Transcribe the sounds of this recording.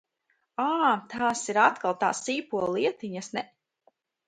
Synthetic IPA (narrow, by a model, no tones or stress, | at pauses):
aːt̪ʰaːsiɾat̪kalˠt̪a̰ːsiːpuɔlˠiɛt̪iɲasnɛ